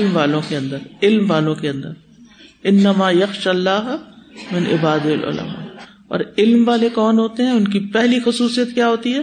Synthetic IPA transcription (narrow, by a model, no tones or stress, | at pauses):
ɪlmʋaːlõkeɐ̃nd̪əɾɪlmʋaːlõkeɐ̃nd̪əɾ | ɪnːɐmaːjɐxʃalːaːɦmɪnʔɪ̰baːd̪ɪɐlʔʊ̰lɐ̰ma̰ː | ɔ̰ːɾɪlmʋaːlekɔːnɦoːt̪eɦɛ̃ʊnk̬ipɛɦlixʊsuːsijət̪kjaːɦoːt̪iɦɛː